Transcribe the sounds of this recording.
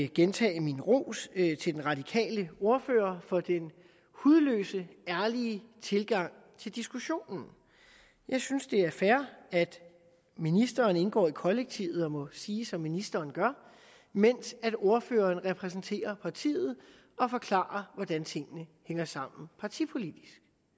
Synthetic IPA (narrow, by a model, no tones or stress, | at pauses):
ɡ̥ent͡sʰɛ̰ːɪminʁo̝̰ːst͡sʰe̝ld̥enʁɑ̈d̥ikʰɛ̰ːləo̝ɐføːɐfɒ̽d̥en | huð̞ˠlø̰ːsəæɐlit͡sʰe̝lɡ̥ɑ̈ŋ̰ | t͡sʰe̝ld̥isɡ̥uɕo̝̰ːnn̩ | jɑ̈ɪsynsd̥e̝æɐfæɐæd̥ | minisd̥ɐːne̝nɡ̥ɒ̰ːikʰɒ̽leɡ̥̚t͡sʰiʊð̞̩ˠɒ̽mɔ̽siːsɒ̽mːinisd̥ɐːnɡ̥ɶɐ | men̰sæd̥o̝ɐføːɐːnʁɛpʰʁɛs̬n̩t͡sʰe̝̰ːɐpʰɑ̈t͡sʰḭːð̞̩ˠ | ɒ̽fɒ̽kʰlɑ̰̈ːɐʋɒd̥ænt͡sʰe̝ŋ̰ənəheŋɐsɑ̈m̰n̩pʰɑ̈t͡sʰipʰo̝lid̥isɡ̥